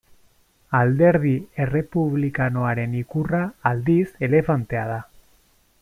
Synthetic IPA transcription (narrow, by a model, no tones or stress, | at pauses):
ald̪e̞ɾðie̞re̞puβlikanoaɾe̞nikuraːld̪ise̞le̞fant̪e̞að̞a